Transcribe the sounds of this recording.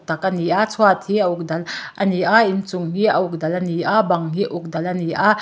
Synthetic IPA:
t̪ɐkəniʔat͡sʰuat̪ʰiəʔuk̚dɐlʔɐniʔaʔint͡suŋɦiʔəʔuk̚dɐlʔɐniʔabɐŋɦiʔʔuk̚dɐlʔɐniʔa

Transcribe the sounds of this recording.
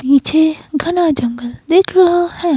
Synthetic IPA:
piːt͡ʃʰeɡʱɐnaːd͡ʒɐŋɡəld̪eːkʰɾɐɦohɛ̃

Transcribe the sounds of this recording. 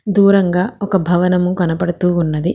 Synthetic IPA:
d̪uːɾɐŋɡaːɔkɐbʱɐʋɐnɐmukɐnɐpɐɽɐt̪uːunːɐd̪i

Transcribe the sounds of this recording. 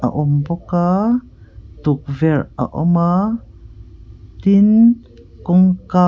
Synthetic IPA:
ʔa̰ʔɔmbɔka | t̪uk̚vɛra̰ʔɔ̰ma | t̪in | kɔŋka

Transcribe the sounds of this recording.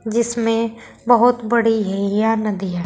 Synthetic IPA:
d͡ʒɪsmẽ | bɐɦʊt̪bɐɽiɦɛjanɐd̪iɦɛ

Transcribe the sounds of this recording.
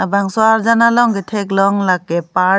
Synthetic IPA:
abaŋsɔaɾzanalɔŋɡetʰɛklɔŋlakːɛpa

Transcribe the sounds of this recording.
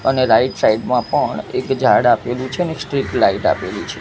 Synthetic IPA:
əneɾaiʈsaiɖmãpəɳekd͡ʒʱaɽapelũt͡ʃʰeəneksʈɾiklaiʈa̰pelũt͡ʃʰe

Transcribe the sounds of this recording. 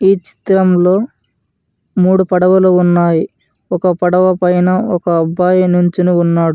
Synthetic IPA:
iːt͡ʃi̥t̪ɾɐmlo̞ː | muːɽupɐɽɐʋɐlounːaːji | ɔkɐpɐɽɐʋɐpɐjnɐɔkɐːbːaːjinuɲt͡ʃinuːnːaːɽu

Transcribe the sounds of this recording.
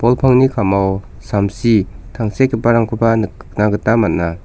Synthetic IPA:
pɔlpʰaŋnikʰamaw | samsitʰaŋsekʰipaɾaŋkʰubanɯkk̚naɡɯtamat̚na

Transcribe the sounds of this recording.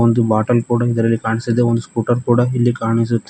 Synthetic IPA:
ond̪ubaːʈɐlkuːɽɐid̪ɐɾɐlːikaːɳisɐd̪eond̪uskuːʈɐɾkuːɽɐilːikaːɳis̬ut̪ː

